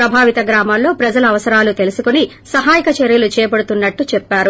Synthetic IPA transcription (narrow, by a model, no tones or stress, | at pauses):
ɾɐbʱaːʋit̪ɐɡɾaːmallo̞ːpɾɐd͡ʒɐlɐɐʋɐsɐɾaːlut̪e̞lusukoni | sɐɦaːjikɐt͡ʃeɾjɐlut͡ʃɛːjɐpɐɽut̪unːɐʈːut͡ʃɛpːaːɾu